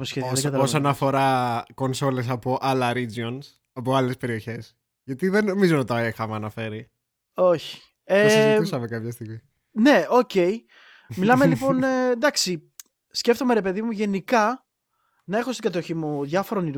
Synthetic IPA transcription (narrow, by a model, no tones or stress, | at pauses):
osçeðiðɡɐt̪ɐosonɐfo̞ɾɐko̞nso̞le̞s̬ɐpoʔɐlɐɾid͡zions | ɐpoɐle̞spe̞ɾio̞çe̞s | ʝɐt̪iðeno̞mizonɐt̪oexɐmeɐnɐfe̞ɾi | o̞çi̥ | eusɐmekɐpçɐs̬t̪iɣmi | ne̞o̞ce̞i | milɐme̞lipo̞nd̪ɐksi | sce̞ft̪o̞me̞ɾe̞pe̞ðimuʝe̞nikɐ | nɐe̞xo̞st̪iɡɐt̪̬o̞çimuðʝɐfo̞ɾoni